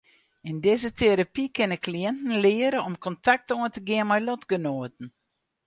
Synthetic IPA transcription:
ɪndɪzətʰeɾapikɪnəkliɛntn̩lɪəɾəɔmkʰɔntak̚toəntəɡɪənmɛjlɔtɡənoːt̚n̩

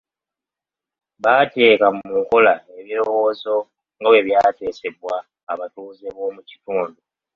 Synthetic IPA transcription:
βaːte̞ːkamuŋko̞lae̞βiɾo̞wo̞ːzo̞ | ŋɡawe̞βjaːte̞ːse̞βwaː | βatuːzeβo̞ːmuci̥tuːndu

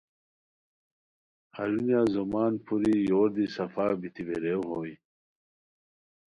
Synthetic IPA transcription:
hɐɾunjaːzomaːnpʰuɾijoːɾd̪isɐfaːbit̪ʰibeɾewɦoːi

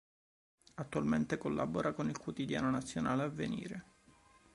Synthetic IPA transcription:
at̪ːualment̪ekolːa̰boɾakonilkwot̪id̪ja̰ːnonat̪sːjonaːleavːenḭːɾe

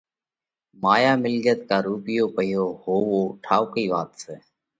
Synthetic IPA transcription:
maːjaːmɪlɡət̪kaːɾuːpɪjoːpəjoːhoːʋoːʈʰaːʊkiːʋaːt̪seː

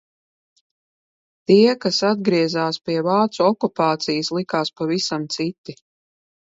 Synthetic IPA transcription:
t̪iɛkasad̪̚ɡɾiɛzaːspʲiɛvaːt̪suɔkupaːt̪sijəslˠikaːspavisamt̪sit̪i

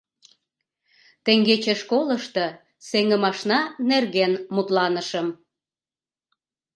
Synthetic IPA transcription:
t̪eŋɡet͡ɕĕʃkoləʃt̪ə | seŋəmɑʃnɑnerɣenmut̪lɑnəʃəm

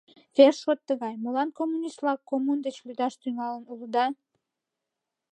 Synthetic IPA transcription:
ferʃot̪ːəɣɑjmulɑnkomːunʲist̪lˠɑkːomund̪et͡ɕlyd̪ɑʃt̪yŋɑlənulˠud̪ɑ

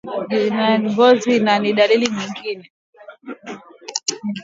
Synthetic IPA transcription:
inaŋɡɔzinaniɗaliliɲiŋɡinɛ

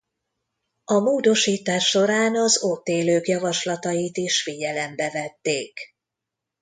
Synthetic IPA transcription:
ɒmoːd̪o̞ʃiːt̪aːʃːo̞ɾaːnɒzot̪ːeːløːkjɒvɒʃlɒt̪ɒjit̪iʃfiɟɛlɛmbɛvɛt̪ːeːk

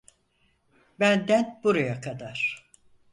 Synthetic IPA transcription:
bænd̪æn̚buɾajakʰad̪aɾ̥

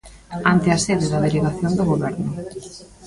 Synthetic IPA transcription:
ant̪ɪaseðeðɐð̞eleɣaθjond̪oɣoβɛɾnʊ

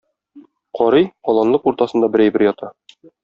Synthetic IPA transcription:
qʰɒɾɤjqɒlˠɑnlˠɤquɾt̪ɑsɤ̆nd̪ɑbɘ̆ɾæjbɘɾjɒt̪ʰɑ

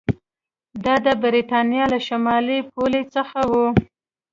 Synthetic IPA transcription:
d̪ɑd̪əbɾit̪ɑnjɑlaʃamɑlip̚olet͡səxawu

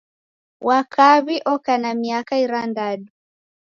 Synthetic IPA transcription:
wʔakʰaβiʔɔkanamiakaiɾandaɗu

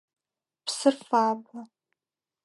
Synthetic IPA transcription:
pʰsɨrfaːba

